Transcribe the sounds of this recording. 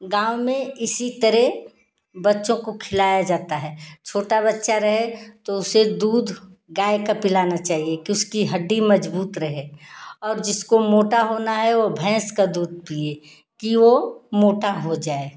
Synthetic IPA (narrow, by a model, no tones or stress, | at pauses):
ɡãːʊmẽɪsit̪ɐɾɛɦ | bɐtːʃõkokʰɪlaːjad͡ʒaːt̪aɦɛːt͡ʃʰoːʈabɐtːʃaɾɐɦet̪oʊsed̪uːd̪ʱɡaːekapɪlaːnat͡ʃaːɦiekiʊskiɦɐɖːimɐd͡ʒbuːt̪ɾɐɦẽɔːɾd͡ʒɪskomoːʈaɦoːnaɦɛʋobʱɛ̃ːskad̪uːd̪̚ʱpiːe | kiʋomoːʈaɦod͡ʒaːe